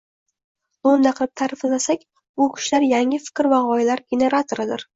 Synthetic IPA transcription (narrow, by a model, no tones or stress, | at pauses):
ond̪aqʰɨlˠɪp̚t̪ʰaɾɪfɪlasakʲ | bʊkʲʰʊ̥ʃlaɾjaŋɪfɪ̥kʲɾvaʁɒjlaɾɡʲene̞ɾat̪ʰoɾɪd̪ɪɾ